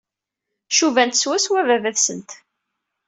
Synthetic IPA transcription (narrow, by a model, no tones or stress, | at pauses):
ʃuvænt̪swæswævævæθsənt̪